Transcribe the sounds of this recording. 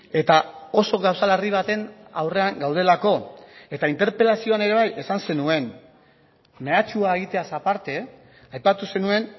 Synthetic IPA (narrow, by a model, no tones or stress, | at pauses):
e̞t̪ao̞so̞ɣawsalariβ̞at̪e̞na̰wre̞aŋɡawð̞e̞lako̞e̞t̪aint̪e̞ɾpe̞lasio̞ane̞ɾe̞β̞aje̞sanse̞nue̞n | me̞at͡ʃuae̞ɣit̪e̞asapaɾt̪e̞ | ajpat̪use̞nue̞n